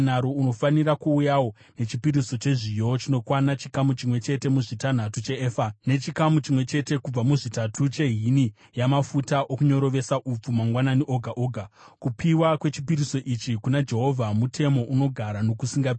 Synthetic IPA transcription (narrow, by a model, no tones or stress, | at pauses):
naɾouno̞fanirakuːjawo̞ | ne̞t͡ʃipiɾiso̞t͡ʃe̞ʐijo̞t͡ʃino̞kwanat͡ʃikamut͡ʃimwe̞t͡ʃe̞te̞muʐitan̤atut͡ʃe̞eːfane̞t͡ʃikamut͡ʃimwe̞t͡ʃe̞te̞kub͡vamuʐitatʰut͡ʃe̞ɦini | jamafutaʔo̞kuɲo̞ɾo̞ʋe̞saʔup͡fumaŋɡwananiʔo̞ɡʱaʔo̞ːɡʱa | kupʰiwakwe̞t͡ʃipiɾiso̞ʔit͡ʃikunad͡ʒe̞ɦo̞vʱamutʰe̞mo̞ʔuno̞ɡʱaɾano̞kusiŋɡa